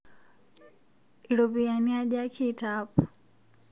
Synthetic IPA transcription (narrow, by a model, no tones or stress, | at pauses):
ilɔbianiaʄakʰitap